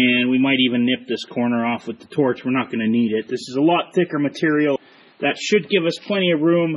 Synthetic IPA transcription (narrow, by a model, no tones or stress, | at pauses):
ɨ̃nwimaɪɾivɨ̃nːɪp̚ðɪskʰɔɹnə˞ɔfwəðətʰɔɹt͡ʃwɨɹnət̚ɡ̥ʌnɨniɾɪt̪̚ðɪsɨzəlɔt̪̚θɪkə˞mɨtʰɪɹil̩ˠ | ðɨtʃɨd̚ɡɪvʌspʰl̥ɛ̃ɾ̃iɨɹũm